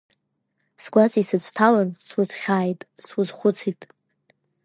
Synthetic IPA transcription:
sɡʷat͡sʼisɨt͡sʷʰʼtʰalanswʊzχʲaːjtʼswʊzχʷʊt͡sʰitʼ

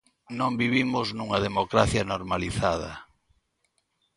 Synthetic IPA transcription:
nõmbiβimʊznuŋɐðemokɾaθjanoɾmaliθað̞ɐ̰

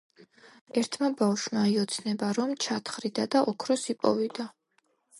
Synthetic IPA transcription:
ɛɾt̪ʰmabafʃmaiɔt̪sʰnɛbaɾɔmt͡ʃʰat̪ʰχɾid̪ad̪aʔɔkʰɾɔsipʼɔ̰vid̪a

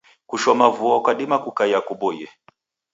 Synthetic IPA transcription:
kuʃɔmavuɔkaɗimakukajakuɓɔjɛ

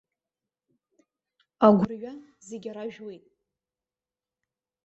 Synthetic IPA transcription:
aɡʷʊrɥazeɡʲaɾaʒᶣwejtʼ

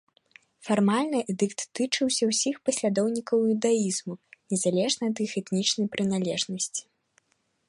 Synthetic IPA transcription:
farmalʲnɨʔɛd̪ɨkt̪ːɨt͡ʂɨwsʲɐwsʲixpɐsʲlʲad̪ɔwnʲikɐwjud̪aizmunʲɛzalʲɛʐnɐɐt̪ɨxɛt̪nʲit͡ʂnɐjpɾɨn̪alʲɛʐnɐsʲt͡sʲi̥

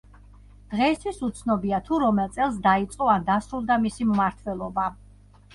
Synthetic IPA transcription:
d̪̥ʁɛist̪ʰwisut̪sʰnɔbiat̪ʰuɾɔmɛlˠt̪sʼɛlˠs̬d̪ait̪sʼqʼɔand̪asɾulˠd̪amisimmaɾt̪ʰwɛlˠɔba

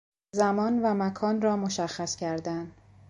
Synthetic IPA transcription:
zæmɒːnvæmækʰɒːnrɒːmoʃæxːæscʰæɾd̪æn

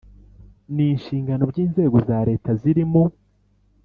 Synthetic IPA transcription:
niːnʃiːŋɡano̞bɟiːnze̞ːɡo̞zaːɾe̞ːtaziɾimo

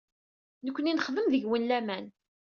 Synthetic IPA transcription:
nəkʷːəninəχðəmðəʝwənlæmæn

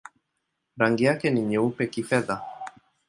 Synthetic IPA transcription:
ɾaŋɡiakɛniɲɛupɛkifɛða

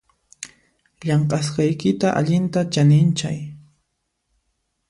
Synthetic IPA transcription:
ʎɑɴqʼɑs̬qɑjkɪt̪aʔa̰ʎɪnt̪at͡ʃanɪnt͡ʃa̰j

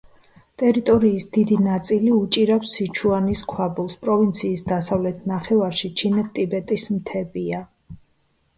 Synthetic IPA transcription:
t̪ʼɛɾit̪ʼɔɾiːsd̪id̪inat̪sʼiliut͡ʃʼiɾawsːit͡ʃʰuaniskʰwabulˠspʼɾɔvint̪sʰiːsd̪asavlɛt̪ʰnaχɛvaɾʃit͡ʃʰinɛt̪ʼibɛt̪ʼismt̪ʰɛbia

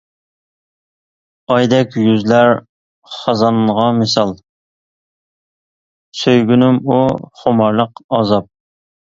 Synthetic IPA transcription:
ɑjd̪ɛkʲjyzlæɾ | χɑzɑnʁɑmesɑlˠ | søjɡʲynɪmuχomɑɾlˠəqɑzɑp̚

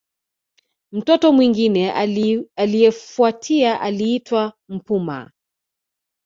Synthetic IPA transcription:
m̩tɔtɔmwiŋɡinɛ | alijɛfuatʰiaʔaliitwa | m̩puma̰

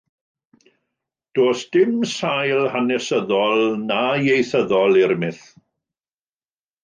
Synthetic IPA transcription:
d̥oːsd̥ɪmsajlˠhanɛsəðɔlˠnajejθəðɔlˠɪɾmɪθ

